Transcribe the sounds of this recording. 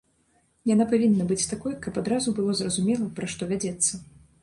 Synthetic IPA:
janapavʲinːɐbɨt͡sʲt̪akɔjkɐpad̪ɾazubɨlˠɔzrɐzumʲɛlˠɐpɾaʂt̪ɔvʲad͡zʲɛt̪sːɐ

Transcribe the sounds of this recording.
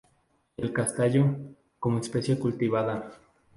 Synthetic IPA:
elkast̪aʝo | komoespesjekult̪iβaða

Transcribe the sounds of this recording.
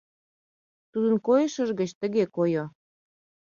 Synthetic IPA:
t̪ud̪ənkojəʃə̆ʒɣə̆t͡ɕt̪ə̆ɣekojo

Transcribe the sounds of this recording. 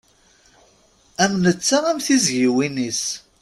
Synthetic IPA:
æmnət͡sːaæmθizʝiwinis

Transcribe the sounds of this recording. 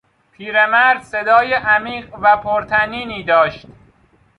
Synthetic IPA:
pʰiːɾemæɾd̪se̞d̪ɒːjeʔæmiːɢvæpʰoɾt̪ʰæniːniːd̪ɒːʃt̪

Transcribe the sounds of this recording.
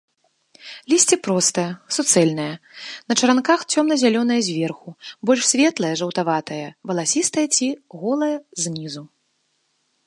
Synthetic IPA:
lʲisʲt͡sʲipɾɔst̪ɐjɐsut̪sɛlʲnɐjɐ | nɐt͡ʂɐɾankaxt͡sʲɔmnɐzʲalʲɔn̪ɐjɐzʲvʲɛrxubɔlʲʂsʲvʲɛt̪lˠɐjɐʐɐwt̪avat̪ɐjɐvɐlˠasʲist̪ɐjɐt͡sʲiɣɔlˠɐjɐzʲnʲizu

